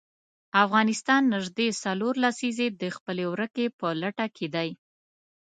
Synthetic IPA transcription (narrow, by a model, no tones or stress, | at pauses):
afɣɑnɪst̪ɑnːɪʒd̪esaloɾlasized̪əxpəlewɾəkepəlaʈakʰed̪aj